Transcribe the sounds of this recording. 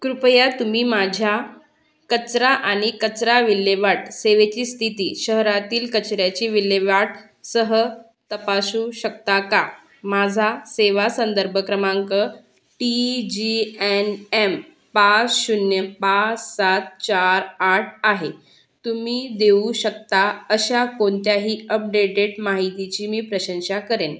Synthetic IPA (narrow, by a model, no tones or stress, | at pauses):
kɾupjat̪umiːmad͡ʑʱja | kət͡sɾaʔaɽ̃ikət͡sɾaʋilːeʋaʈseʋet͡ɕiːst̪ʰit̪iːɕəɦɾat̪iːlkət͡ɕɾjat͡ɕiːʋileʋaʈ̚ | səɦə | t̪əpasuːɕəkt̪aka | mad͡zʱaseʋasənd̪əɾbʱəkɾəmãŋkə | ʈid͡ʑienem | pat͡sɕunjəpat͡ssat̪̚t͡ɕaɾaʈʰaɦe | t̪umiːd̪euɕəkt̪aəɕakoɳt̪jaɦiːəp̚ɖeʈeɽmaɦit̪it͡ɕiːmiːpɾəɕə̃nɕakəɾen